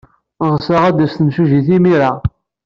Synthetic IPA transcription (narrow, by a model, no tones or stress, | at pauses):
ʁsaʁæd̪æsθəmʃuʒiθimiɾa